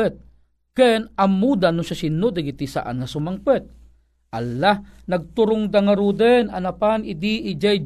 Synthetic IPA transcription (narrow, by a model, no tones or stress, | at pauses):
ɛt̪̚ | kɛnamːud̪anʊʃasinːʊd̪aɡit̪isa̰ʔa̰nŋɐsʊmaŋpɛt̪̚ | ʔalːahnɐɡ̚t̪ʊɾʊŋd̪aŋaɾud̪ɛna̰napanɪd̪iʔɪd͡ʒaj